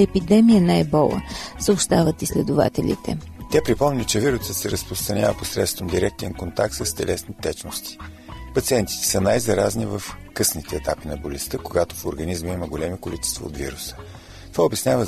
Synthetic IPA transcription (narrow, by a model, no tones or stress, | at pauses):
ɛpid̪ɛmijənajbɔlˠə̰səʊpʃt̪avət̪islʲɛd̪ʊva̰t̪ɛlʲḭt̪ʰɛ̰ | t̪ʲapɾipɔmnʲit͡ʃɛviɾʊsət̪sɛɾəspɾʊst̪ɾɐnʲavəposɾɛ̰t̪st̪vəmd̪iɾɛk̚t̪ɛnkont̪ak̚t̪səst̪ɛ̰lʔɛsnit̪ɛt͡ʃnost̪i̥ | pɐt̪siɛnt̪i̥t̪ɛ̥sənajzɐɾaznivəfkɤsnit̪ɛːt̪apinɐbolʲɛst̪əkoɡat̪o̥foɾɡɐnizməiməɡolʲɛmikolit͡ʃɛ̥st̪vɐ̰o̰t̪vḭɾʊsə̥ | t̪ovaobjɐsnʲavə